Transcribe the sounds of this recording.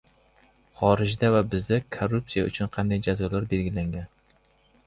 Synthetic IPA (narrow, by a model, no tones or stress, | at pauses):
χɒɾɪd͡ʒd̪avabɪzd̪akʰorːup̚sijaʊt͡ʃʰʊnqʰɑnd̪ajd͡ʒazɒlaɾbe̞lɡʲɪlaŋɡʲan